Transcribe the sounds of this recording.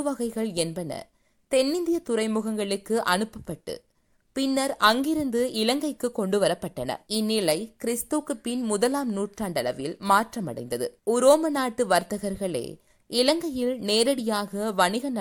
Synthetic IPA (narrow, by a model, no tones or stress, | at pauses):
ʋɐɣɐɪɣɐɭɛnbɐnɐ̰ | t̪ɛnːɪnd̪ɪjɐt̪ʊɾɐɪmʊɣɐŋɡɐɭɯkːɯʔɐnɯpːɐpːɐʈːɯ̰ | pɪnːɐɾɐŋɡɪɾɯnd̪ɯɪlɐŋɡɐɪkːɯkːɔɳɖɯʋɐɾɐpːɐʈːɐnɐ̰ɪnːɪlɐɪkɪɾɪst̪okːɯpɪnmʊðɐlaːmnuːʈraːɳɖɐlɐʋɪlmaːʈrɐmɐ̰ɽɐ̰ɪnd̪ɐðɯ̰ʊɾoːmɐnaːʈːɯʋɐɾt̪ɐɣɐɾɣɐɭḛː | ɪlɐŋɡɐjɪlneːɾɐɽɪjaːɣɐʋɐɳɪɣɐnɐ